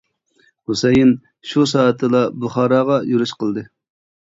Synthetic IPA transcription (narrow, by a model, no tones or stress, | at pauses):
husejin | ʃus̬ɑːt̪ʰːɨlˠɑbuχɑːɾɑʁɑjyɾyʃqʰəlˠd̪ɨ